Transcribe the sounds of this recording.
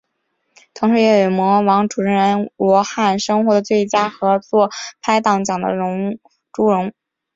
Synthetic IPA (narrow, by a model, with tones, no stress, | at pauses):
t̪ʰʊ˧˥ŋʂɻ̩˧˥jɛ˧˥jɛ˨˩mwɔ˧˥wɑ˧˥ŋʈ͡ʂu˨˩ʈ͡ʂʰə˧˥ɻə˧˥nwɔ˧˥xa˥˩nʂɤ˥ŋxwɔ˧˥d̪ə˧t͡swe˥˩ɪt͡ɕja˥xɤ˧˥t͡swɔ˥˩pʰa˥ɪt̪ɑ˨˩ŋt͡ɕjɑ˨˩ŋd̪ə̰˦˧˥ | ʈ͡ʂu˧˥ɻʊ˧˥ŋ